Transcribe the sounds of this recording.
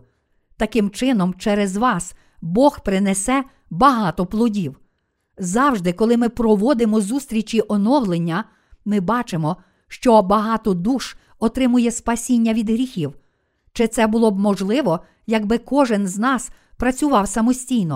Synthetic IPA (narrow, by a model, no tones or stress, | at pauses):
t̪ɐkɪmt͡ʃɪnɔmt͡ʃɛɾezʋɑs | bɔxpɾɪnesɛ | bɐɦɑt̪ɔplˠɔdʲiw | zɑwʒd̪ɪkɔlˠɪmɪpɾɔʋɔd̪ɪmɔzust̪ɾʲit͡ʃʲiʔɔnɔwlˠenʲːɐ | mɪbɑt͡ʃemɔ | ʃt͡ʃɔbɐɦɑt̪ɔd̪uʃ | ɔt̪ɾɪmʊjɛspɐsʲinʲːɐʋʲid̪ɦɾʲixʲiw | t͡ʃɪt̪sɛbʊlˠɔb̚mɔʒlˠɪʋɔ | jɐɡbɪkɔʒɪnznɑs | pɾɐt͡sʲʊʋɑwsɐmɔsʲtʲijnɔ